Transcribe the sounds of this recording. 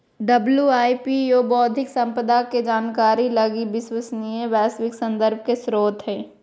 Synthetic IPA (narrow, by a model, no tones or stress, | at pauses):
ɖɐbljuaːipijoːbɔːd̪ʱɪksɐ̃mpəd̪aked͡ʒaːnkaːɾilɐɡibɪswəsnijəʋɛːswɪksɐ̃nd̪əɾb̚ʱkesɾoːt̪ɦɛː